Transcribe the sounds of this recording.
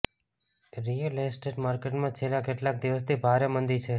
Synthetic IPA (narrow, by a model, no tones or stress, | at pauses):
ɾijəlesʈeʈmaɾkeʈmãt͡ʃʰelãkeʈlak̚d̪iʋəst̪ʰibʱaɾemənd̪it͡ʃʰe